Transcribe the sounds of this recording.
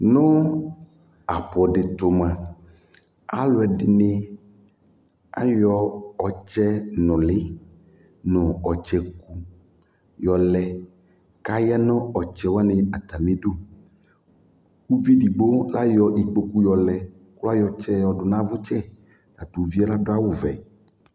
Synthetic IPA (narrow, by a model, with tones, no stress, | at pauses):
nɔ̃˦ | a˨pɔ˨ɖɪ˨t̪ʊ˨mã˨ | a˦lʊ˨ɛ˨ɖɪ˨ne˦ | a̰˦jɔ˦ɔ˨t͡ʃɛ˦nɔ̃˨lɪ˦ | nɔ̃˨ɔ˨t͡ʃɛ˨ku˦ | jɔ˨lɛ˨ | ka˦ja˦nɔ̃˦ɔ˨t͡ʃɛ˦wa˦nɪ˨a˨t̪a˨mẽ˦ɖo˦ | wu˦vi˦ɖi˨ɡ͡bo˦la˦jɔ˨ʔi˨k͡po˦ku˦jɔ˨lɛ˨ | kla˦jɔ˨t͡ʃɛ˦ɔ˨ɖʊ˨nã˦vʊ˦t͡ʃɛ˦ | la˨t̪o˨vi˦a˦la˦ɖʊ˦a˦wo˨vɛ̰˨